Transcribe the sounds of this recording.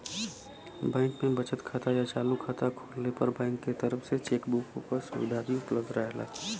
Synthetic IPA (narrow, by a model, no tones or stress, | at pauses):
bɛ̃ːŋkmẽbət͡ʃət̪kʰaːt̪ajat͡ʃaːlukʰat̪ʰakʰoːlːepəɾbɛ̃ːŋkːet̪əɾəfset͡ʃeːkbuːkõ̰pəɾsʊ̰ʋɪd̪ʱaːd̪iʊpləbd̪ɾɛɦla̰